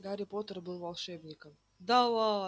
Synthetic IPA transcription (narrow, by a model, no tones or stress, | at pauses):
ɡaɾʲɪpot̪ərbɨlˠvalˠʂɛbnʲɪkəm | d̪ava